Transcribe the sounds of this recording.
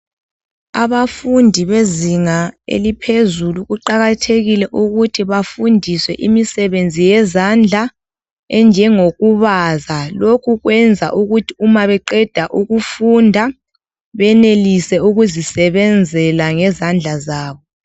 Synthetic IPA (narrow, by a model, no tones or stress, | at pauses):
a̰βafundʱiβeziŋaḛlipʰezuluɣuǃaɣatʰeɣilɛʔuɣutʰiβafundʱiswɛʔimisɛβend͡zʱijɛzand͡ɮʱa | ɛnd͡ʒʱɛŋoɣuβazalokʰuɣwɛnd͡zʱa̰ʔuɣutʰiumaβɛǃɛd̥ʱaʔuɣufundʱa | βɛnelisɛuɣuzisɛβɛnd͡zʱɛlaŋɛzand͡ɮʱazaːβɔ